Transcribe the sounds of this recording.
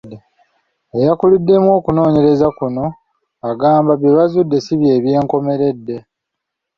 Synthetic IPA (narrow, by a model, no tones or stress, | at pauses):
ejakuludːe̞mwo̞ːkuno̞ːɲe̞ɾe̞zakuno̞ | aɡaːmbaβjeβazudːe̞siβje̞ːβje̞ːŋko̞me̞ɾe̞dːe̞